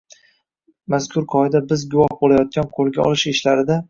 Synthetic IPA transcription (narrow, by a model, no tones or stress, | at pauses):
maskʲʰʊɾqʰɒɪd̪abɪzɡʲʊwɒhbolajɒt̪̚kʲanqʰolˠɡʲaɒ̰lɪʃɪʃlaɾɪd̪a